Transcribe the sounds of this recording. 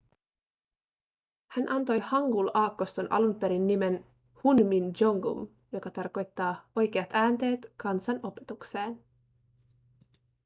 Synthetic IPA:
hænʔɑnt̪o̞jhɑŋɡulɑːkːost̪onʔɑ̰lumpe̞ɾinːime̞n | hunmind͡ʒoŋɡṵm | jo̞kɑt̪ɑrko̞jt̪ːɑːo̞jk̟e̞ɑt̪æːnt̪e̞ːt̪kɑnsɑnʔo̞pe̞̥t̪ukse̞ːn

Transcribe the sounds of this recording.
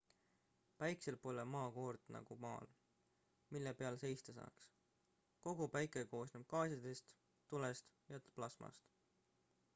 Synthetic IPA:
pæjkse̞lpːo̞lemɑːko̞ːrd̪̥nɑ̰ɡ̥umɑ̰ːl | milːepeɑlse̞jst̪esɑ̰ːks | ko̞ɡ̥upæjkˑeko̞ːsnub̥̚kɑːsʲɑd̪est̪ | t̪ːulest̪ | jɑt̪plɑsmɑ̰st̪

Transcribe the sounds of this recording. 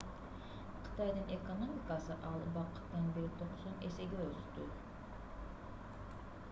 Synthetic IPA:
qʰɨ̥t̪ɑjd̪ɯnʔe̞kono̞mʲɪkɑsɯʔɑlˠbɑqɯ̥t̪ːɑnbeɾit̪ʰoqsone̞se̞ɡeøzyzt̪y

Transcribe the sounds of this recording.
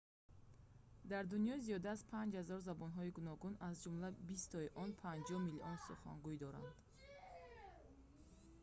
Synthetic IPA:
d̪aɾd̪unijɔzijɔd̪aːzpʰãnd͡ʒhazɔɾzabɔnɦɔiɡunɔɡunazd͡ʒumlabist̪ʰɔiʔɔnpʰãnd͡ʒɔhmiliʔɔnsuχa̰ŋɡuid̪ɔɾa̰nd̪

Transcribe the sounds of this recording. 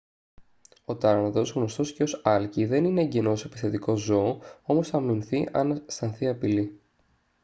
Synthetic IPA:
o̞t̪ɐɾmɐt̪o̞zɣno̞st̪o̞sceo̞sɐlciðe̞nine̞ɟeno̞se̞pi̥θet̪iko̞zo̞ːo̞mosɐminθiʔɐnɐst̪ɐnθiɐpili

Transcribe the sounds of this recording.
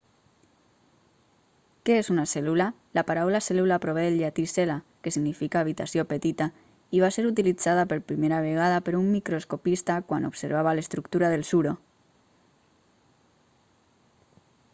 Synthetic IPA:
keesunaselula | lapaɾawlasɛlulapɾoβeelʎat̪iselakesiɡnifikaːβ̞it̪asjopet̪it̪a | iβ̞aseɾut̪̬ilid͡zaðapeɾpɾimeɾaβ̞eɣ̞aðapeɾumːikɾoskopist̪akwanopseɾβ̞aβalest̪ɾukt̪uɾaðelsuɾo

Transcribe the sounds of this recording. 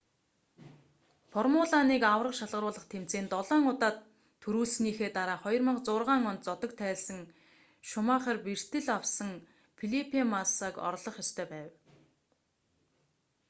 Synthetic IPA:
fɔrmʊɮaniːkawrə̆qʃaɮʁə̆rʊːɮə̆χt̪ʰem̥t͡seːnt̪ɔɮɔːŋʊt̪aːt̪ʰː | ɵɾuːɮsniːxeːt̪aɾaːχɔjrmə̆qt͡sʊːrʁaːŋɔnt̪̚t͡sɔt̪ɞ̆kt̪ʰæːɮsə̆ŋ | ʃʊmaːχə̆rpir̥t̪ɘ̆ɮawsə̆ŋ | pʰiɮipʰimasakɔ̰ɾɮɞ̆χjɔst̪ʰœːpæːw

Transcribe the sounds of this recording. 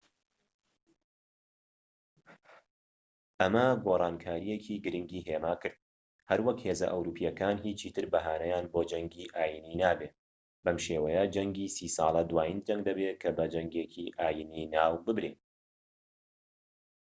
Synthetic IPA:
ʔɐmɐɡoːrˤɑːnkʰaːɾijecʰiːɡɨɾɨŋɡiːɦeːmaːkɨɾd̪̚ | hɐɾwɐkhezɐ̰ʔɐ̰wɾuːpʰijɐkaːnhiːt͡ʃʰit̪ʰɨɾbɐɦaːnɐjaːnboːd͡ʒɐŋɡiʔaːjininaːbeː | bɐmʃeːwɐjɐd͡ʒɐŋɡiːsiːsɑ̰ːlˠɐd̪waːjind͡ʒɐŋɡd̪ɐbeːkʰɐbɐd͡ʒɐŋɡekʰiʔaːjininaːwbɨbɾeːn

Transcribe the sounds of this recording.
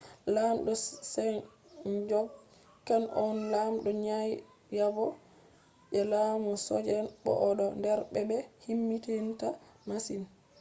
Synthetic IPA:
lamɗɔsɛn | d͡ʒɔk | kːanʔɔnlamɗɔɲaj | jabɔ | ɓɛlamusɔ̰d͡ʒɛnbɔ̰ʔɔɗɔndɛɾbɛbɛhimːitenta | masin

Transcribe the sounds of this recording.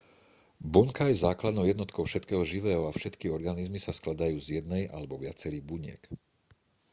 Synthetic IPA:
buŋkajɛzaːklad̪nɔʊjɛd̪nɔt̪kʰɔʊfʃɛt̪kɛːɦɔʒiʋɛːɦɔafʃɛt̪kiɔɾɡanizmisasklad̪ajuːzjɛd̪nɛjʔa̰lɛbɔʋɪat͡sɛɾiːɣbuɲɪɛ̰k

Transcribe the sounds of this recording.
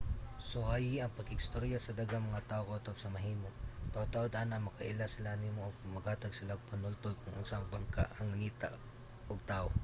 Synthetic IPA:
sohajiʔɐŋpɐɡɪɪst̪oɾjasɐd̪ɐɡaŋmɐŋat̪aːʔokoot̪oʔop̚sɐmɐɦiːmot̪aot̪aʔod̪anɐŋmɐkɐʔɪlasɪlanimoʔɐɡ̚mɐɡhaːt̪ɐɡ̚sɪlaɡ̚pɐnʊlt̪ojkʊŋʔʊnsaŋbaŋka̰ʔɐŋlɐŋiːt̪a | ʔoɡ̚t̪aʔo

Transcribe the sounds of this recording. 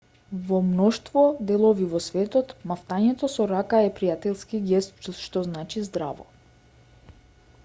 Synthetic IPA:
vɔmnɔʃt̪vɔd̪ɛlˠɔvivɔsvɛt̪ɔt̪maft̪aɲɛt̪ɔsɔɾakaɛpɾijat̪ɛlˠskiɡɛst̪t͡ʃuʃt̪ɔznat͡ʃizd̪ɾa̰vɔ̰

